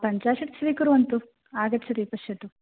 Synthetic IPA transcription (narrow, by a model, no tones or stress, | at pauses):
pɐɲt͡ʃaːʂɐʈ̚t͡ʃʰɐʋikuɾuʋɐnt̪u | aːɡɐʈt͡ʃʰɐt̪ipɐʃjɐʈ̪u